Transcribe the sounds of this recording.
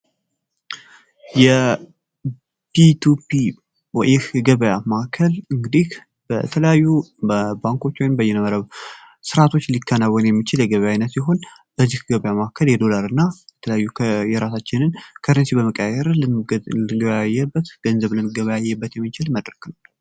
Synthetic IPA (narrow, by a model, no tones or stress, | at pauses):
jɛ | bit̪ʰupi | wɛʔɪhɡəβəjamakʰəlɨŋɡɨd̪ih | b̥ə̰t̪ʰələjajːuəbaŋko̞t͡ʃːwɔjmbəjɛnəməɾəβ | sɨɾat̪ʰo̞t͡ʃːlikʰːənawənjɛmːit͡ʃɪljɛɡəβəjainːət̪siɦo̞n | b̥əzːihɡəβəjamakʰəljɛd̪o̞laɾɨnːajɛt̪ʰələjajːujɛɾasat͡ʃːɪnɨnkʰəɾənsibəməkʼːəjɛɾ | jajːɛbːət̪ɡ̥ənzəβləmɡəβəjajːɛbːət̪jɛmːit͡ʃɪlməd̪ɾəknal